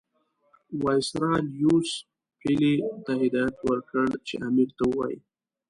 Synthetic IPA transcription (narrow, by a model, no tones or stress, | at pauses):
wɑjsɾɑljus | pilet̪aɦɪd̪ɑjat̪wəɾkəɽt͡ʃḛʔamiɾt̪awəwɑ̰jḭ